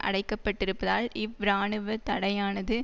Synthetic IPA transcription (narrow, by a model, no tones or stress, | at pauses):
ʔɐ̰ɽɐɪkːɐpːɐʈːɪɾɯpːɐðaːlɪʋɾaːɳɯʋɐt̪ɐɽɐjaːnɐðɯ